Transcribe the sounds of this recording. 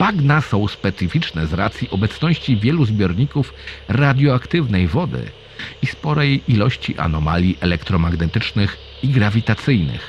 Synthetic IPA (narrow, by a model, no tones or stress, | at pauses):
paɡnasɔ̃w̃spɛt̪sɘfʲit͡ʂnɛzɾa̰t̪sʲjiʔɔbɛt̪snɔɕt͡ɕivʲjɛluzbʲjɔɾɲikufɾad̪ʲjɔakt̪ɘvnɛjvɔd̪ɘ̰ | ispɔɾɛjilɔɕt͡ɕiʔa̰nɔma̰lʲiʔɛlɛkt̪ɾɔmaɡnɛt̪ɘt͡ʂnɘx | iɡɾavʲit̪at̪sɘjnɘ̰x